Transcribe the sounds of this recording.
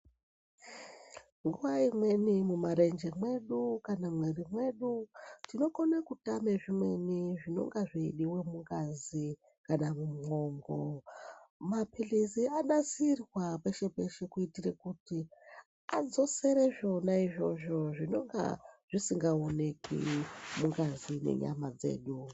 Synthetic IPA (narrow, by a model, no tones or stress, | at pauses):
ŋɡuʋaimwe̞nimumaɾe̞nd͡ʒe̞mwe̞ɗukanamwerimwe̞ɗutino̞konekutameʐimwe̞niʐino̞̰ŋɡaʐiiɗiwemuŋɡazi | kanamumŋo̞ŋɡo̰ | mapʰilisiaɗasirwapeʃe̞pe̞ʃe̞kuitirekuti | a̰d͡zo̞se̞ɾeʐo̞naiʐo̞ʐo̞ʐino̞ŋɡa̰ʐ̥isiŋɡaonekḭmuŋɡazinḛɲa̰mad͡ze̞̰ːɗu